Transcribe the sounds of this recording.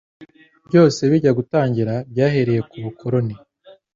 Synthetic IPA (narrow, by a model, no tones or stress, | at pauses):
bjo̞ːse̞βiɟaɡutaːɲɟiɾabɟaːhe̞ɾe̞je̞kuβukʰo̞ɾo̞ni